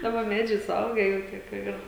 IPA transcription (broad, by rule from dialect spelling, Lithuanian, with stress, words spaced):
ˈdɑːbɐ ˈmʲæːd͡ʒʲɛɪ sʊˈɐʊɡʲɛ jɛʊ ˈtʲiɛ kʊr ˈɪr